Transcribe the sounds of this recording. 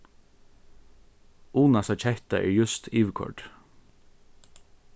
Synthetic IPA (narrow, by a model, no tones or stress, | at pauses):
uːnasat͡ʃʰɛht̪aʔɛ̰ːɹjʉst̪iːʋkʰɔ̰ɹɖ̥